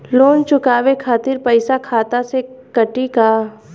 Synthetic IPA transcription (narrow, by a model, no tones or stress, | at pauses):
loːnt͡ʃʊkaːʋekʰaːt̪ɪɾpəɪsakʰaːt̪asekɐʈikaː